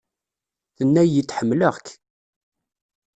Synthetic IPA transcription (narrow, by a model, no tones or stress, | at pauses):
θənːæjət͡sːħəmːləʁk